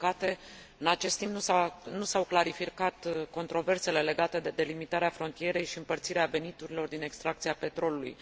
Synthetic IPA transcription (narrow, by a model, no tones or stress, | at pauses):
kat̪e̞ | ɨnat͡ʃe̞st̪imp̚nusanusawklaɾifikat̪ko̞nt̪ɾo̞ve̞rse̞le̞le̞ɡat̪e̞d̪ed̪e̞limit̪aɾeafɾo̞nt̪ije̞ɾe̞jʃiɨmpərt̪siɾeave̞nit̪uɾilo̞rd̪ine̞kst̪ɾak̚t̪siape̞t̪ɾo̞lulṵj